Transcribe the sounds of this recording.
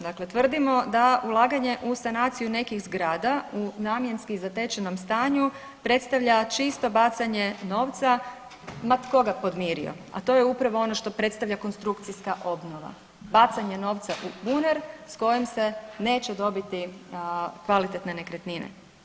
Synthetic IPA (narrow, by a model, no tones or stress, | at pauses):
d̪akle̞t̪ʋr̩d̪imo̞d̪aulˠaːɡaɲe̞ʔusanaːt̪sijune̞kixzɡɾaːd̪aunaːmje̞nskizat̪e̞t͡ʃeno̞mst̪aːɲu | pɾe̞t̪st̪aʋʎat͡ʃist̪o̞bat̪saɲe̞no̞ːʋt̪sa | mat̪ko̞ɡapo̞d̪miːɾḭo̞̰ | a̰t̪o̞jeupɾaʋo̞o̞no̞ʃt̪o̞pɾe̞t̪st̪aʋʎʲako̞nst̪ɾukt̪sijskaʔo̞bno̞ʋa̰ | bat̪saɲe̞no̞ːʋt̪saʔubuneɾsko̞jimse̞ne̞ːt͡ɕed̪o̞bit̪i | kʋalit̪et̪nene̞kɾet̪ninḛ